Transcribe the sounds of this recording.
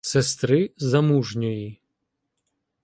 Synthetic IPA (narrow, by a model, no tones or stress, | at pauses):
sest̪ɾɪzɐmuʒnʲɔji